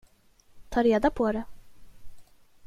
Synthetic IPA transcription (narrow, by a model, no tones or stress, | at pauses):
t̪ʰɑːɾeːd̪apʰɔɾɛ